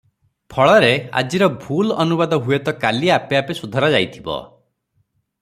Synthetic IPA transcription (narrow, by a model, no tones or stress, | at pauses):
pʰɔɭɔɾea̰d͡ʒiɾɔbʱulɔnubad̪ɔɦujet̪ɔkaliapjapesud̪ʱɔɾad͡ʒajt̪ʰibɔ̰